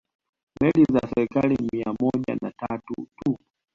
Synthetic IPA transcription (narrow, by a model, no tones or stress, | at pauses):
mɛlizasɛɾikalimiamɔʄa̰natatṵtu